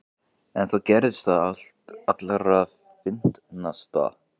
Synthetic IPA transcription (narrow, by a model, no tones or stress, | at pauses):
ɛnθawcɛːɾɪsθaal̥t̪at̪laɾa | fɪn̥t̪nast̪a̰